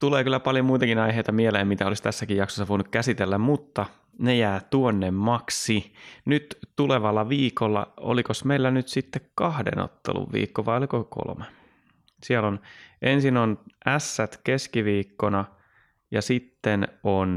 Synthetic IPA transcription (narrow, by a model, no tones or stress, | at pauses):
t̪uleːkylːæpɑljomuit̪ɑkinɑjɦeit̪ɑmieleːmit̪æolist̪æsːækijjɑksosːɑʋoinukkæsit̪elːæmmut̪ːɑ | nejæːt̪uonːemmɑksinyt̪t̪uleʋɑlːɑʋiːkolːɑ̰o̰likosmeilːænyt̪sit̪ːekkɑhdḛno̰t̪ːḛlṵʋʋḭːkːoʋɑjolikoko̰lme | siɛlonʔensinonʔæsːæt̪keskiʋiːkːonɑ | jɑsit̪ːenon